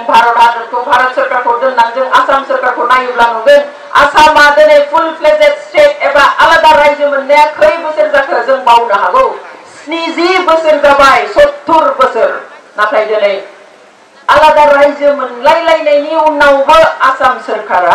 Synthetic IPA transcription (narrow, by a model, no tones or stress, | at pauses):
ŋbʱaɾɽanɯkʰobʱaɾət̪̚sɯɾkʰakʰodɯŋnaŋzɯŋasamsɯɾkʰaɾkʰonajublamɯɡɯn | a̰samad̪ɯnepʰulpʰlesetsʈeʈebaʔalad̪aɾajzɯmɯndəjakʰəjbəsɯɾzakʰəzɯŋbawnaɦaɡɯwsnizibəsɯɾzabajsot̪ʰːuɾbəsɯɾnapʰajd̪ɯnej | alad̪aɾajzɯmɯnlajlajnejninːawbəasamsɯɾkʰaɾa